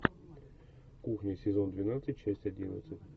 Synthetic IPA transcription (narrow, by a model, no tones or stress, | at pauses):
kuxnʲəsʲɪzo̞nd̪vʲɪnat̪sɨtʲt͡ɕæsʲtʲɐdʲinə̰t̪sɨtʲ